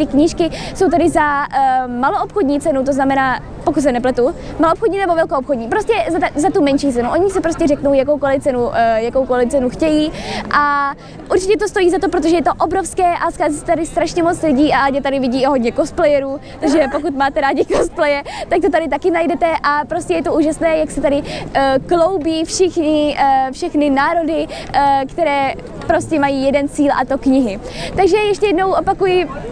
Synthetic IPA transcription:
t̪ɪkɲiːʃkɪso̞wt̪aɾɪza | maloʔopxodɲiːt͡sɛnut̪o̞znamɛnaː | pokut̪s̬ɛnɛplɛt̪u | maloopxodɲiːnɛbovɛlkoʔopxodɲiːpɾoscɛzat̪zat̪umɛnʃiːt͡sɛnuʔoɲɪsɛpɾoscɛrɛkno̞wjako̞wkolɪft͡sɛnujakowkolɪft͡sɛnuxcɛjiːʔa | ʔuɾt͡ʃɪcɛt̪ost̪o̞jiːzat̪op̬ɾot̪o̞ʒɛjɛt̪oʔobɾofskɛːʔaskazɪsɛt̪adɪst̪ɾaʃɲɛmot͡slɪɟiːʔaʔaɲɛt̪adɪvɪɟiːɦodɲɛkosplɛjɛɾuː | t̪aɡʒɛpo̞kut̪maːt̪ɛɾaːɟɪkosplɛjɛt̪ak̚t̪ot̪adɪt̪akɪnajdɛt̪ɛʔapɾoscɛjɛt̪o̞ʔuːʒasnɛːjaksɛt̪adɪklo̞wbiːfʃɪxɲɪfʃɛxnɪnaːɾo̞dɪkt̪ɛɾɛː | pɾo̞scʲɛmajiːjɛdɛnt͡siːlʔa̰t̪o̞kɲɪɦɪt̪aɡʒɛjɛʃt̪ɛjɛdno̞wʔo̞pakujɪ

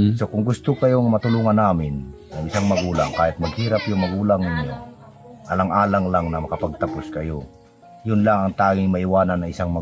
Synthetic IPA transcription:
sokʊŋɡʊst̪ʊkɐjoŋmɐt̪ʊluːŋanːaːmɪnː | ɐŋɪsaŋmɐɡuːla̰ŋkaːjɪt̪̚mɐɡhiːɾapjʊŋmɐɡuːlaŋnɪɲo | ʔɐlaŋʔaːlaŋlaŋnɐmɐkɐpaɡ̚t̪ɐpʊskɐjo | jʊnlaŋɐŋt̪aːɡɪŋmɐiwaːnanːɐŋɪsaŋmɐ

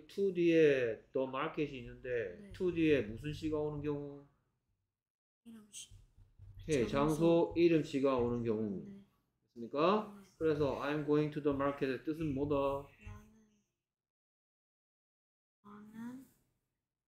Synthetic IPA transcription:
tʰudietʌmaɭkʰeɕ̬ʰiinːɯnde̞tʰudie̞mus̬ʰɯnɕ̬ʰiɡaonɯnkjʌŋu | je̞t͡ɕaŋsʰoiɾɯmɕʰiɡaonɯnkjʌŋu | is͈ɯmɲik͈akɯɾe̞s̬ʰʌajmɡoiŋtʰudʌmaɭkʰedt͈ɯs̬ʰɯnmoda

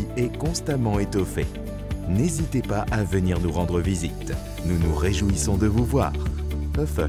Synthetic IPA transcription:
iɛkɔ̃st̪amɑ̃et̪ɔfe | nezit̪epaʔavəniʁnuʁɑ̃d̪ʁəvizit̪ | nunuʁeʒuisɔ̃d̪əvuvwa̰ːʁɔf

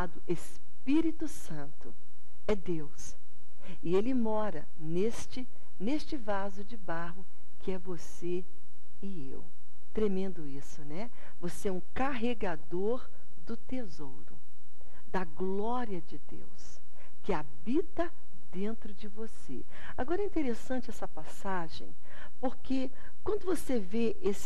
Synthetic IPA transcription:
ad̪ʊʔes | piɾit̪ʊsɐ̃nt̪ʊ̰ | ɛd̪ews | ɪelɪmɔɾɐ | nest͡ʃɪ | nest͡ʃɪvazʊd͡ʒɪbaɦʊ | kɪɛvos | e | ɪḛw | t̪ɾemẽnd̪ʊisʊnɛ | voseɛũkaɦeɡad̪oɾ | d̪ʊt̪ezowɾʊ̰ | d̪ɐɡlɔɾiɐd͡ʒɪd̪ḛws | kɪa | bit̪ɐ | d̪ẽnt̪ɾʊd͡ʒɪvosḛ | aɡɔɾɐɛĩt̪eɾesɐ̃nt͡ʃɪɛsɐpasaʒḛ̃j̃ | poɾke | kwɐ̃nd̪ʊvoseveʔesɪ

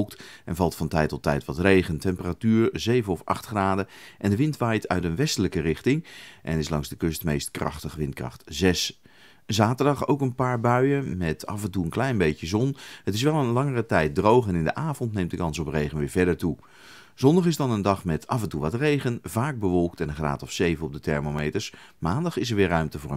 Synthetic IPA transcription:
lˠk̚tɛ̰nvɑlˠtfɑntɛjtɔtɛ̰jtʋɑtrejχəntɛmpəratyːɹzejvənɔfɑ̰χtχraːdəʔɛndəʋɪntʋajtʰœ̰ɥtənʋɛstələkərɪχtɪŋʔɛ̰nɪslɑŋzdəkʏstmejstkrɑ̰χtəχʋɪntkrɑ̰χtzɛs | zaːtəɹdɑχo̰wkənpaːɹbœɥəmɛtɑ̰fɛntuənklɛjnbejcəzɔnhətɪs̬ʋɛlˠənlɑŋərətɛjt̚drowχɛnɪndəʔaːvɔntnejmt̚dəkɑnsɔprejχənʋɪːɹvɛɹdəɹtu | z̥ɔndɑχɪzdɑnəndɑχmɛtʰɑ̰fɛntuʋɑtrejχənvaːɡ̚bəʋɔlˠktɛnəχra̰ːtɔfsejvənɔb̚dətɛ̰ɹmomejtəɹs | maːndɑχɪs̬əɹʋɪːɹrœɥmtəvʊːɹə

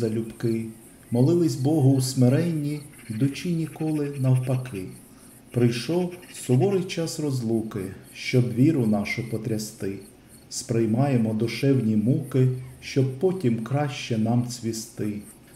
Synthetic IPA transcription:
ɐlʲʊbkɪ | mɔlˠɪlˠɪsʲbɔɦʊwsmeɾɛnʲːiʋʲid̪ʊt͡ʃʲinʲikɔlˠɪnɐwpɐkɪ | pɾɪjʃɔsɔʋɔɾɪjt͡ʃɑsrɔzlˠukɪʃt͡ʃɔbʋʲiɾʊnɑʃʊpɔt̪ɾʲɐst̪ɪ | spɾɪjmɑjemɔd̪ʊʃɛwnʲimukɪʃt͡ʃɔb̚pɔtʲimkɾɑʃt͡ʃɛnɑmt͡sʲʋʲist̪ɪ

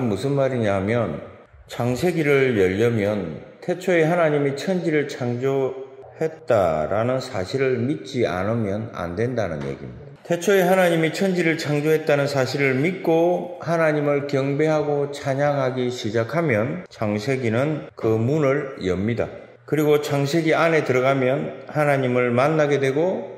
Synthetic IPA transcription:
musʰɯnmaɾiɲaɦmjʌn | t͡ɕaŋsʰe̞ɡiɾɯɭjʌʎːʌmjʌntʰe̞t͡ɕʰoeɦanaɲimit͡ɕʰʌnd͡ʑiɾɯɭt͡ɕʰaŋd͡ʑohe̞t̚t͈a̰ɾanɯnsʰaɕʰiɾɯɭmitt͡ɕ͈ia̰nɯmjʌna̰ndwe̞ndanɯnjḛɡḭmɲidatʰe̞t͡ɕʰʌeɦanaɲimit͡ɕʰʌnd͡ʑiɾɯɭt͡ɕʰaŋd͡ʑoɦe̞t̚t͈anɯnsʰaɕʰiɾɯɭmit̚k͈ohanaɲimɯɭkjʌŋbe̞ɦaɡot͡ɕʰaɲaŋɦaɡiɕʰid͡ʑakʰamjʌnt͡ɕaŋsʰe̞ɡinɯnkɯmunɯɭjʌ̰mɲida̰ | kɯɾiɡot͡ɕaŋsʰe̞ɡiane̞tɯɾʌɡamjʌnhanaɲimɯɭmanːaɡe̞dwe̞ɡo

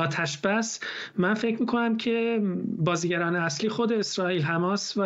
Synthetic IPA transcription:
ɒːt̪ʰæʃb̥æsmænfecʰɾmiːkʰo̞næmcʰe̞bɒːziːɟæɾɒːneæslixod̪e̞ːsɾɒːiːlɦæmɒːst̪væ

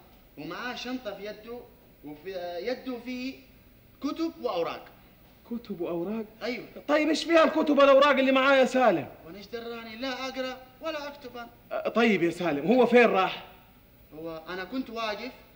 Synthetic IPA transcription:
wɪmaʕaːʃɑmt̪ˤɑfijad̪ːu | wɪfjad̪ːufiː | kʊt̪ʊb̚wɪʔawɾˤɑ̰ːɡ | kʊt̪ʊbwʔawɾˤɑːɡʔajwat̪ˤɑjːɪbʔeːʃfiːhalkʊt̪ʊbalʔawɾˤɑːɡɪlːimaʕaːjasaːlɪmwanaʃd̪ɑɾˤːaːnilaʔaɡɾˤɑwalaʔakt̪ʊban | t̪ˤɑjːɪbjasaːlɪmwhʊwːafeːɾɾˤɑːħ | hʊwːaʔanakʊnt̪waːɡɪf

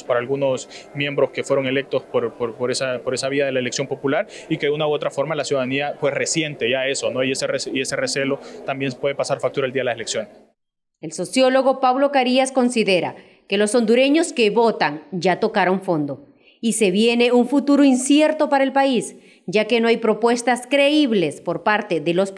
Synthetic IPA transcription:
spaɾaːlɣuno̞smje̞mbɾo̞ske̞fwe̞ɾo̞ŋe̞le̞k̚t̪o̞spoɾpoɾpoɾesapo̞ɾe̞saβiaðe̞laele̞ksjo̞mpo̞pulaɾikeðeunawo̞t̪ɾafo̞ɾmalasjuðaðaniapwe̞sre̞sje̞nt̪e̞ʝae̞so̞no̞ieseresie̞sere̞se̞lo̞t̪ambje̞npweðe̞pasaɾfak̚t̪uɾaeld̪iaðelaseleksjo̞nes | e̞lso̞sjo̞lo̞ɣo̞paβlo̞kaɾiasko̞nsiðe̞ɾa̰ | ke̞lo̞so̞nd̪uɾe̞ɲo̞ske̞βo̞t̪aŋd͡ʒat̪o̞kaɾo̞ɱfo̞nd̪o̞ | ise̞βje̞ne̞uɱfut̪uɾoinsje̞ɾt̪o̞paɾae̞lpais | d͡ʒake̞noajpɾo̞pwe̞st̪askɾe̞iβle̞spo̞ɾpaɾt̪e̞ðe̞lo̞s

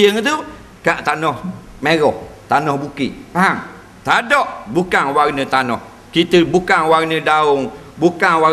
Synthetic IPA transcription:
əŋt̪u | kaʔt̪anɔh | meɾɔht̪anɔhbukiʔpaɦaŋ | t̪adɔʔbukanwarnət̪anɔh | kit̪əbukaŋwarnədaʊŋ | bukaŋwa

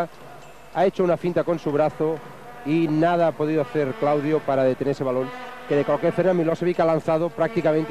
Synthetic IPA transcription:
ae̞t͡ʃounafĩnt̪ako̞nsuβ̞ɾaθo | inað̞aapo̞ðiðoaθe̞ɾklawðjopaɾaðe̞t̪eneseβalõ̞ŋkeðekwalkjeɾfeɾnamiloseβikalan̟θað̞opɾak̚t̪ikamẽnt̪

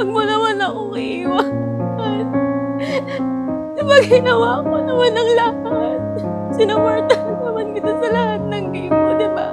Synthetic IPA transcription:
ɡ̚monɐmanɐʔoʔʔiwɐ | hat̪̚ | sɐbɐɡɪnɐwakonɐmanɐŋlɐhat̪̚ | sɪnɐpoɹt̪ɐ | nɐmankɪt̪osɐlɐhat̪̚nɐŋbɪŋod̪ɪba̰

